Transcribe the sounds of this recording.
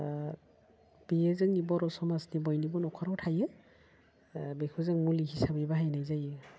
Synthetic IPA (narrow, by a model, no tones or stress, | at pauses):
b̥iɛzɛŋnibɔɾɔsɔmasnibɔjnibɔnɔkʰaɾɔwtʰajɛ | bekʰuzɛŋmuliɦʰisabibaɦajnajzajɛ